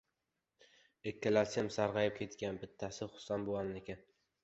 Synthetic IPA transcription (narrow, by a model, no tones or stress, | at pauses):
ekʲʰːalaɾsɪmsaɾʁɑjɪp̚kʲʰe̞t̪ɡʲanbɪt̪ʰːasɪχʊ̥ssanboannekʲan